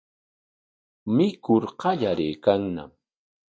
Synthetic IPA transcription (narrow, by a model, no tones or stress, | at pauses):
mɪkʊɾqɑʎaɾeːkaŋna̰m